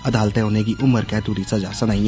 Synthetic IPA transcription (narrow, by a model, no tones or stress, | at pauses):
ɐd̪ʱaːlt̪eɦoːnek̬iʔʊməɾkɛt̪uɾisad͡ʒaːsanaɦĩ